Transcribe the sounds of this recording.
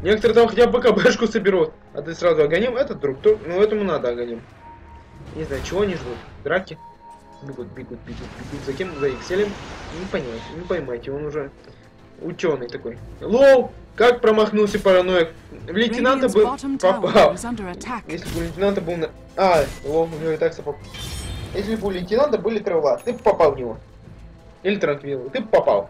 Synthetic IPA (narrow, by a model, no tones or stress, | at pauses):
nʲekə̥t̪əɾɨt̪amxɐtʲab̚pɐkabɛʂkʊsəbʲɪɾot̪ | ɐ̰t̪ɨsɾazʊɐɡɐnʲimɛt̪ət̪̚d̪ɾukt̪uknoɛt̪əmʊnad̪əɐɡɐnʲim | nʲɪznajʊt͡ɕɪvo̞ɐnʲiʐd̪ut̪d̪ɾakʲɪ | bʲiɡut̪̚pʲiɡut̪̚bʲiɡut̪̚pʲiɡut̪zɐkʲemzɐixsʲelʲɪmnʲɪpənʲɪmajt̪ʲɪnʲɪpəjmajtʲɪonʊʐɛ | ʊ̰t͡ɕʲo̞nːɨjt̪ɐko̞jlˠowkak̚pɾəmɐxnulˠsʲɐpəɾɐnoj | vlʲɪnʲtʲɪnant̪əbɨpɐpalˠ | jesʲlʲɪbɨlʲɪnʲtʲɪnant̪ɐbɨlˠnɐ | alˠowʊnʲɪvoɪt̪aksɐpo | jes̬ʲlʲɪbɨlʲɪnʲtʲɪnant̪ɐbɨlʲɪt̪ɾɨvlˠat̪ɨpɐpalˠnʲɪvo | ilʲɪt̪ɾɐnk̪lʲiɾəlˠt̪ɨpɐpa̰lˠ